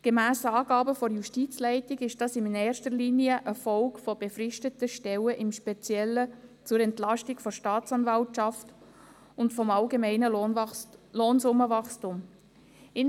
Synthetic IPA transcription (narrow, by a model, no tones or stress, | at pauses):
ɡ̥emæːsəɑːɡɑːbəfɔɾjuʃtiːt͡slɛɪtɪɡɪʃd̥ɑsɪnnɛːɾʃtəɾliːniəʔəfɔlkfɔb̥efɾɪʃtətəʃtɛləʔɪmʃpɛt͡sjɛlːət͡sʊɾɛntlɑʃtɪɡfɔɾʃtɑːt͡sɑnvɑlʃɑft | ʊntfɔmɑlɡemɛɪnəl | loːnsʊmːəvɑχstum | ɪn